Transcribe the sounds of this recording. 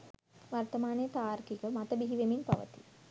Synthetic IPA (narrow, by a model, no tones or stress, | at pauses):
ʋɐrt̪ɐmaːnejət̪aːɾkikəmɐt̪ɐbiɦiʋeminpɐ̰ʋə̰t̪i̥